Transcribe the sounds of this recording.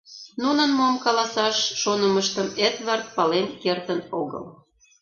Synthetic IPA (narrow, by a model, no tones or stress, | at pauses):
nunə̆nmoəmkɑlɑsɑʃːonəməʃt̪əmet̪βɑrt̪̚pɑlenkert̪ənoɣə̰l